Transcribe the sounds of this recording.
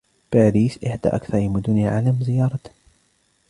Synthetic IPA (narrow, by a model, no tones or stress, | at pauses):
b̥aːɾiːsʔɪħd̪a̰ːʔakθɑɾˤɪmʊd̪ʊniʕalamzɪjɑːɾˤɑt̪